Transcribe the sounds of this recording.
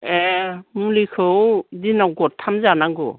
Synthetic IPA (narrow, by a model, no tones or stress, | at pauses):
emulikʰɯwdinawɡɔttʰːamzanaɡɔ̰